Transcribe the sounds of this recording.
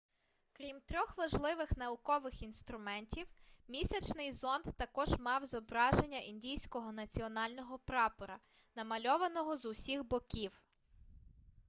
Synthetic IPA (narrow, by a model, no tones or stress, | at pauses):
kɾʲimt̪ɾʲɔxʋɐʒlˠɪʋɪxnɐʊkɔʋɪxinst̪ɾʊmɛnʲtʲiwmʲisʲɐt͡ʃnɪjzɔnd̪t̪ɐkɔʒmɑwzɔbɾɑʒe̞nʲːɐʔindʲijsʲkɔɦɔnɐt͡sʲiɔnɑlʲnɔɦɔpɾɑpɔɾɐ | nɐmɐlʲɔʋɐnɔɦɔzʊsʲiɣbɔkʲiw